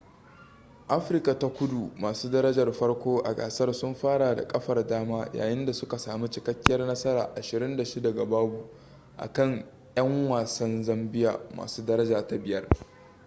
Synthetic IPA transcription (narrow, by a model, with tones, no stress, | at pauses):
ʔa˦ɸɪ˨rka˨ta˦kʷʊ˦du˨maː˨suː˦dɐ˦ɾɐ˦d͡ʒɐ˨rɸɐ˦rkʷoː˦ʔa̰˨ɡa̰ː˨sɐ˦rsʊ˦mɸaː˦ɽaː˨da̰˨kʼɐ˦ɸɐ˨rdaː˦maː˦ja̰ː˨jɪ˦nda˨sʊ˦ka˨saː˨mi˦t͡ʃɪ˨kɐ˦kʲːɪ˦jɐ˦rnɐ˦sɐ˦ɾaː˨ʔa˨ʃɪ˨ɾɪ˦nda˨ʃɪ˦da˨ɡa˨baː˦bu˨ | ʔa̰˨kɐ˦˨ŋ | jɐ˦ŋwaː˨sɐ˦nzɐ˦mbɪ˦ja̰ː˨ma̰ː˨suː˦dɐ˦ɾɐ˦d͡ʒaː˨ta˦bɪ˦jɐ˦r